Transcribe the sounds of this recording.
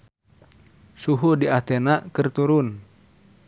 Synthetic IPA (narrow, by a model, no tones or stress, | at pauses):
suɦudiat̪ɛnakɨrt̪uɾun